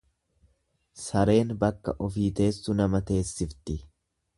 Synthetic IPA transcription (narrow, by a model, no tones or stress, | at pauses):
sɐɾe̞ːnbɐkːɐ̰ʔɔfiːt̪e̞ːsːʊnɐmɐt̪e̞ːsːɪft̪ɪ